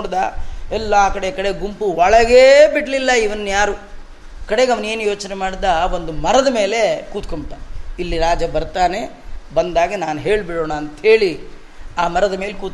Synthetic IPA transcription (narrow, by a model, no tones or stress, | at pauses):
ɽd̪aɛlːaːkɐɽekɐɽeɡumpuɐɭɐɡeːbiʈlilːɐiʋɐnːjaːɾu | kɐɽeɡɐʋɐne̞ːnujo̞ːt͡ʃnemaːɽid̪ɐʋo̞nd̪umɐɾɐd̪ɐme̞ːle̞kuːt̪kombiʈːailːiɾaːd͡ʒɐbɐɾt̪aːne̞ | bɐnd̪aːɡinaːnuɦe̞ːɭbiɽoːɳɐːnt̪ɐɦe̞ːɭi | aːmɐɾɐd̪ɐme̞ːlkuːt̪̚